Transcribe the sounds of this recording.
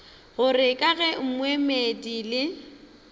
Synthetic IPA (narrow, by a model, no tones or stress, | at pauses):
ɣʊrɪkʼaɣɛm̩mwemedilɪ